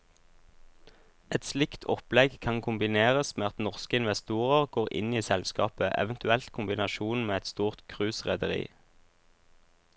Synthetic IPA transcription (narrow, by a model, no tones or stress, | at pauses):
ɛt̪slɪkt̪ʰɔplɛɡkʰɑŋkʰʊmbɪneːʁəsmeːɑt̪nɔʁskəɪnʋɛst̪uːʁəʁɡ̥oːʁɪ̰niːsɛlskɑ̰ːpəʔɛ̰ʋənt̪ʉɛlt̪kʰʊmbɪnɑʃuːnmeːɛt̪st̪uːʁt̪kʰʁʉːsʁɛd̪əʁḭː